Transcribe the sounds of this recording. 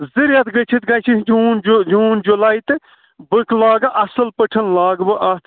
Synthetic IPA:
ziɾjɐt̪ɡɐt͡ʃʰit̪̚ɡɐjt͡ʃʰid͡ʒuːnd͡ʒd͡ʒuːnd͡ʒulaːjt̪ɨ | bɨkʰlaːɡɐʔɐsɐlpəʈʰɐnlaːɡbɨʔɐt̪ʰ

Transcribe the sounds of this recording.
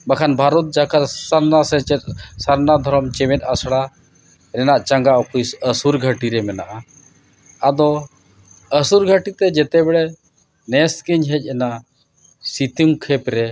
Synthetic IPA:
bakʰanbʱaɾut̪̚d͡ʒakaɾsaɾnasɛt͡ʃɛt̪̚saɾnad̪ʱɔɾɔmt͡ʃɛmɛt̪̚asɽa | ɾɛnaʔt͡ʃaŋɡaʔɔkʰujsəsuɾɡʱəʈiɾɛmɛnaʔa | ad̪ɔ | əsuɾɡʱəʈit̪ɛd͡ʒɛt̪ɛbɛɽɛ | nɛskiɲɦɛc̚ˀɛna | sit̪iŋkʰɛpɾɛ

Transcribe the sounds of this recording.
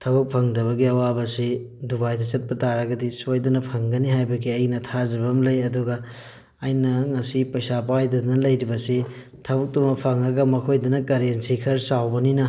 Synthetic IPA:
tʰɐbɐk̚pʰɐŋdɐβɐɡiɐwabɐsidubajdɐt͡ʃɐt̚pɐtaɾɐɡɐdisojdɐnɐpʰɐŋɡɐniɦajbɐɡiɐjnɐtʰazɐβɐmlɐjɐduɡɐː | jnɐŋɐsipɐjsapajdɐdɐnɐlɐjɾibɐsi | tʰɐbɐk̚tumɐpʰɐŋɐɡɐmɐkʰojdɐnɐkɐɾensikʰɐɾsawbɐninɐ

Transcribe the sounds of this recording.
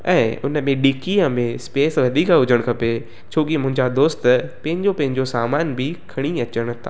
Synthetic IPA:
ɛ̰̃ːʊnəmẽɗɪkiəmẽspeːsʋɐd̪ʱiːkaɦʊd͡ʑʱəɽ̃kʰɐpe | t͡ɕʰoːkimʊ̃ɦɪ̃ɲd͡ʑad̪oːst̪pɐ̃ɦɪ̃ɲd͡ʑopɐ̃ɦɪ̃ɲd͡ʑosaːmaːnbʱɪkʰɐɽ̃iɐt͡ɕəɽ̃̆t̪ʰa̰ː

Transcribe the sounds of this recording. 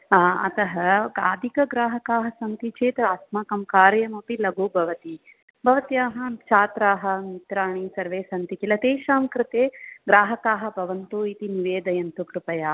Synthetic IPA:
ɐ̰t̪ɐɦɐɡaːd̪ʱikɐɡɾaːɦɐkaːɦɐsɐnt̪it͡ʃʰeːt̪ɐaːsmakɐmkaːɾjɐmɐpilɐɡuːbʱɐʋɐt̪i | bʱɐʋɐt̪jaːɦɐ̆t͡ʃaːt̪ɾaːɦɐ̆mit̪ɾaːɳisɐɾʋeːsɐnt̪ikilɐt̪eːʃaːmkɾɪt̪eːɡɾaːɦɐkaːɦɐ̆bʱɐʋɐnt̪uit̪iniʋeːd̪ɐjɐnt̪ukɾupɐjaː

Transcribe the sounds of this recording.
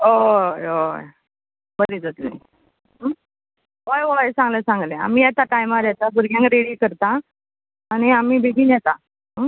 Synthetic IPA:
oojoj | bəɾid͡zət̪lḛ | ojʋojsãɡlə̃sãŋɡlẽa̰miːjɛt̪aʈajmaɾjɛt̪abuɾɡʱjãŋkɾeɽiːkəɾt̪aː | ɽ̃iamiːbeɡiːnjɛt̪a | ɦə

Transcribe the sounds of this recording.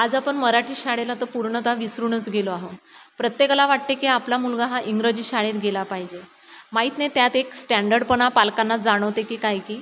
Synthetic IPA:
ad͡zapəɳməɾaʈiːɕaɽelat̪əpuɾɳət̪aʋisɾuːɳət͡sɡʱeloaɦopɾət̪jeklaʋaʈ̚t̪ekiaplamulɡaɦaʔiŋɡɾəd͡ʑiːɕaɽet̪ɡʱelapaɦid͡ʑe | maɦit̪net̪jat̪eksʈæɳɖəɾɖpəɳ̃apalkanːad͡zaɽ̃əʋt̪ekiːkajkiː

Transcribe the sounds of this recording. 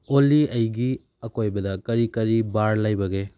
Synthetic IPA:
olːiɐjɡi | ɐkojbɐdɐkɐɾikɐɾibaɾlajbɐɡe

